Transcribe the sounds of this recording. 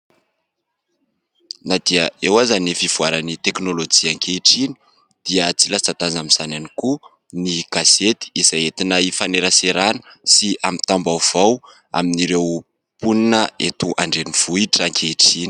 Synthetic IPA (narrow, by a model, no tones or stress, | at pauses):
nad̪iəewazanifiv̥uaɾanit̪eknolod͡ʒiaŋkʰeiʈ͡ʂini̥ | d̪̥iət͡silat͡sat̪azamiz̥ananiku | niɡ̥aset̪i̥izaet̪inaifaneɾaseɾanə̥siamit̪ambawv̥aw | a̰miniɾew | puninəet̪uʔa̰ɳɖ͡ʐeniv̥uiʈ͡ʂaŋkʰeiʈ͡ʂini̥